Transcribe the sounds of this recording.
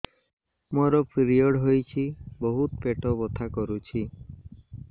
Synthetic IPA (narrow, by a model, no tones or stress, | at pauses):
moɾɔpʰiɾiɔɽɦojt͡ʃʰibɔɦut̪peʈɔbɔt̪ʰakɔɾut͡ʃʰi